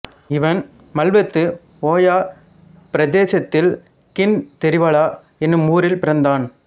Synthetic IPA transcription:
ɪʋɐn | mɐlʋɐt̪ːɯ | oːjaː | pɪɾɐðeːsɐt̪ːɪl | kɪnt̪ɛɾɪʋɐɭaː | ɛnːɯmuːɾɪlpɪɾɐnd̪aːn

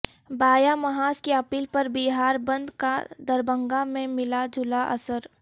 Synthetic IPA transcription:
baːjamɐɦaːskeɐpiːlpɐɾbiːɦaːɾbə̃nd̪kad̪əɾbə̃ŋɡamẽmɪlad͡ʒʱʊlaʔɐ̰səɾ

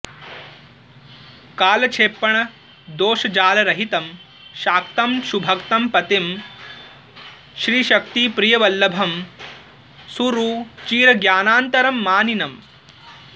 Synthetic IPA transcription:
kaːlɐt͡ʃʰeːpːɐɳɐ | d̪oːʃɐd͡ʒaːlɐɾɐɦit̪ɐm | ʃaːk̚t̪ɐmʃubʱɐkt̪ɐmpɐt̪im | ʃɾiːʃɐkt̪ipɾijɐʋɐlːɐbʱɐm | suɾuːt͡ʃiːɾɐɡjaːnaːnt̪ɐɾɐmːaːninɐm

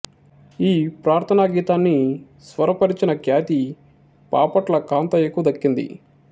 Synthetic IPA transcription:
iːpɾaːɾt̪ʰɐnaːɡiːt̪aːnːi | sʋɐɾɐpɐɾit͡ʃinɐkjaːt̪i | paːpɐʈlɐkaːnt̪ɐjekːuʋɐd̪ɐkːind̪ḭ

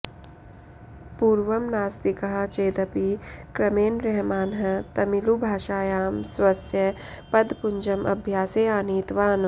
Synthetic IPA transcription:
puːɾʋɐmnaːst̪ikɐɦɐ̆t͡ʃeːd̪ɐpikɾɐmeːnɾɛɦmaːnɦɐ̆t̪ɐmilubʱaːʃaːjaːmswɐsjɐ | pɐd̪puɲd͡ʒɐmʔɐ̰bʱjaːseːaːniːt̪ʋaːn

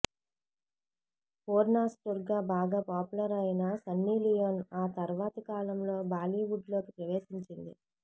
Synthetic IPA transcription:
poːɾnaːsʈuɾɡaːbaːɡaːpaːpulɐɾɐjnɐsɐnːiːlijonaːt̪ɐɾʋaːt̪ɐkaːlɐmlo̞ːbaːliːʋuɖlo̞ːkipɾɐʋeːsiɲt͡ʃind̪ḭ

